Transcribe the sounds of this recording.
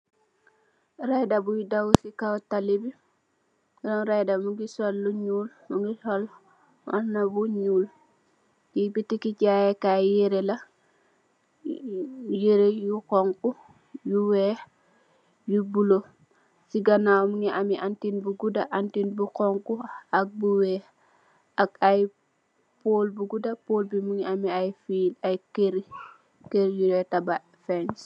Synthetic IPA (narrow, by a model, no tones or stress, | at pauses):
rajdabujidawusikawtalibi | ɾɔnɾajdamuŋɡisɔlːuɲuːl | muŋɡisɔl | annabuɲuːl | jibitikiɟajɛkajeɾela | jeɾejukɔŋku | juwɛː | jubulo | siɡanawmuŋiʔamiʔantinbuɡudaʔantinbukɔŋkuak̚buwɛː | akaj | poːlbuɡudapolbimuŋiamiajfiːlajkeɾi | keɾjuɾɛtaba | fɛns